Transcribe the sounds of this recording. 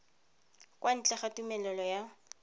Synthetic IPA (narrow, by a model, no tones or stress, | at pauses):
kwan̩t͡ɬʼɛχatumɛlɛlɔja